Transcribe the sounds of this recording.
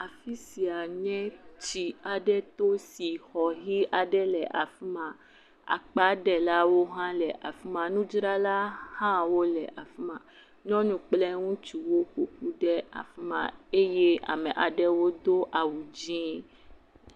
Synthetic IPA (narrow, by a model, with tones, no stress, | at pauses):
a˨fi˦si˨a˨ɲɛ̃˦t͡ʃi˨a˨ɖɛ˦t̪o˦si˨xɔ˨ɦi˦ʔa˨ɖɛ˦lɛ˨ʔa˨fi˦mã˨ | a̰˨k͡pa˨˦ɖɛ˨la˦wo˦ɦã˦lɛ˨ʔa˨fi˦mã˨nũ˦d͡ʒɾa˦la˦hã˦wo˦lɛ˨ʔa˨fi˦mã˨ | ɲɔ̃˦nũ˦k͡plɛ˦ŋũ˦t͡ʃi˨wo˦ko˨ku˦ɖɛ˦a̰˨fi˦mã̰˨e˦je˦a̰˨mɛ̃˨ʔa˨ɖɛ˦wo˦d̪o˦ʔa˨wu˨d͡ʒĩ˦